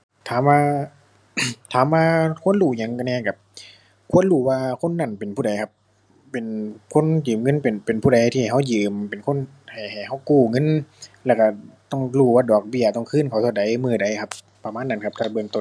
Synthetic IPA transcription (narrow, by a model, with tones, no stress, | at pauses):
t̪ʰaː˨˦mwaː˧ | t̪ʰaː˨˦mːaː˧kʰu˧˥˨ə˨nluː˧˩ɲa˧˦ŋka˧˩nɛː˧˩˨ka˧˩p̚ | kʰu˧˥ə˨nluː˧˩waː˧kʰo˧˥˨nːa˧˩˨npe˨npʰuː˧˩da˨jkʰa˧˥pː | e˨˩nkʰo˧˥˨njɯː˨˩mŋɤ˧˥˨npe˨npe˨˩npʰuː˧˩ɾa˨˦t̪ʰiː˧˨˩ha˧˥˩wjɯː˨mpe˨nkʰo˧˥˨n | ha˨˩jha˨˩jha˧˩wkuː˧˩ŋɤ˧˥˨nlɛː˧˩˨ka˧˩t̪ɔ˧˩ŋluː˧˩waː˧˩dɔː˨˩k̚bi˧˩˨ət̪ɔ˧˩ŋkʰɯː˧˥˨nkʰa˨˩wt̪ʰa˧˩da˨˦jmɯː˧˩da˨˦jkʰa˧p̚ | pa˧maː˧˥˨nːa˧˥˨nkʰa˧p̚t̪ʰa˧˩bɤ˧˨ŋt̪o˧˨